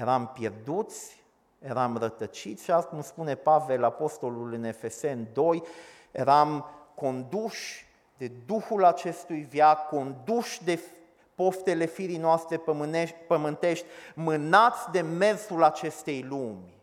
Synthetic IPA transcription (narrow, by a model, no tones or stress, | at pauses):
je̞ɾampje̞rd̪ut̪sʲ | je̞ɾamrət̪ət͡ʃit̪sʲʃakumspune̞pave̞lapo̞st̪o̞lulɨne̞fe̞se̞nd̪o̞j | je̞ɾamko̞nd̪uʃ | d̪e̞d̪uxulat͡ʃe̞st̪ujvjakːo̞nd̪uʃd̪e̞ | po̞st̪e̞le̞fiɾijnoast̪ɾe̞ɨepəmɨnt̪e̞ʃt̪ʲmɨnat̪sʲd̪e̞me̞rsulat͡ʃe̞st̪e̞jlumʲ